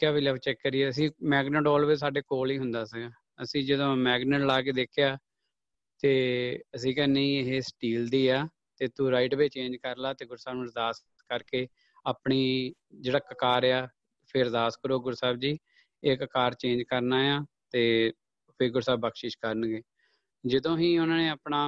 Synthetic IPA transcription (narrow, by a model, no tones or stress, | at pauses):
kjaːʋiləʋt͡ʃɛːkːəɾiɛːəsĩːmɛːɡnəʈɔːlʋesaːɖeːkoːliːɦʊnd̪aːsəɡaː | əsĩːd͡ʒəd̪õːmɛːɡnəʈlaːkeːd̪eːkʰɪjaː | t̪eːəsĩːkəɾnẽĩːeɦeːsʈiːld̪iːaː | t̪eːt̪ũːɾaːɪʈbeːt͡ʃẽːɲd͡ʒkəɾlaːt̪eːɡʊɾsaːbnd̪aːs | kəɾkeː | aːpɳiː | d͡ʒeːɽaːkəkaːɾaː | pʰɪɾd̪aːskəɾoːɡʊɾsaːbd͡ʒiː | eːkəkaːɾt͡ʃẽːd͡ʒkəɾnaːjãː | t̪eː | pʰɪɾɡʊɾsaːbəkʃɪʃkəɾənɡeː | d͡ʒəd̪õːɦĩːʊnãːneːaːpnaː